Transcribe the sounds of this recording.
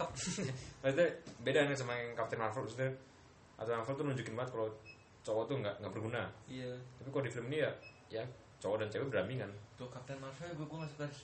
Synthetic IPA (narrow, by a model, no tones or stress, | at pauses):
ap̚pasit̪abedanasəmakŋkap̚t̪ɛnmarfəlpust̪ɛ | ʔa̰t̪ɛmarfəlt̪unuɲd͡ʒukɪnbaət̪̚kalo | t͡ʃɔwɔt̪uŋɡaʔŋɡaʔbərɡunaijat̪apikalodifiləminija | ja | t͡ʃɔwɔdant͡ʃawɛbəɾamiŋant̪ʊhkap̚t̪ɛnmarfəlaɡuɛɡuaŋasukaɾ